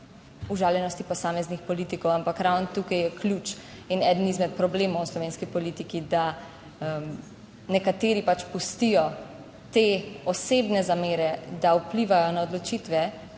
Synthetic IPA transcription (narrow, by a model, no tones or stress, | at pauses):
uʒaːljɛnɔst̪ipɔsaːmɛznixpɔlit̪ikɔwampakɾawnt̪uːkajɛklut͡ʃ | inɛd̪ənizmɛt̪̚pɾɔbleːmɔwslɔʋeːnskipɔlit̪ikid̪a | m | nɛkat̪eːɾipat͡ʃpust̪ijɔ | t̪eɔsebnɛzameːɾɛd̪aupliʋajɔnaɔd̪lɔt͡ʃit̪ʋɛ